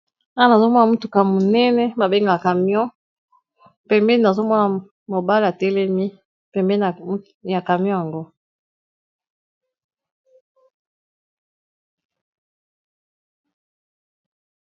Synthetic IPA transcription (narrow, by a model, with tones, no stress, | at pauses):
a˦a˨na˨zo˦mɔ˦na˨mu˦tu˨ka˨mo˨nɛ˦nɛ˦ba˨be˦ŋɡa˨ka˨mjɔ̃˦ | pɛ˨mbɛ˦n˨na˨zo˦mɔ˦na˨ | mo˨ba˦la˨tɛ˦lɛ˦mi˦ | pɛ˨mbɛ˦˨˦ | ja˨ka˨m˦ɔ̃˦ja˨ŋɡo˦